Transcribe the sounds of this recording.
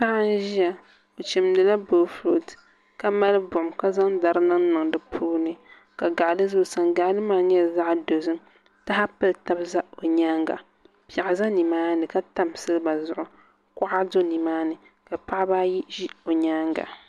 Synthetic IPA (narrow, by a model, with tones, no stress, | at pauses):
sa˦a˦n˦ʒi˦ja˨ | o˨t͡ʃi˨mdɨ˨la˦boː˨floː˦t | ka˦ma˦lɨ˦bʊ˨mka˦za˦ŋda˨ɾɨ˦nɨ˦ŋnɨ˨ŋdɨ˨pʰuː˦nɨ˨ | ka˨ɡa˨lɨ˦zʊ˦˨sa˨ŋɡa˨ʔlɨ˦maː˦ɲɛ˦˨za˦ʔdo˨zɨ˦m | ta˦ɦa˦pɨ˦lta˦bza˦o˨ɲaː˦ŋɡa̰˨ | pja˨ʔa˨za˦ni˨maː˦nɨ˨ka˦ta˦msɨ˦lɨ˦ba˨zʊ˨ʔʊ˨ | ka˦ʔa˦do˦ni˨maː˦nɨ˨ | ka˨pa˦a˦baː˦ji˦ʒi˦o˨ɲa˦ŋɡa̰˨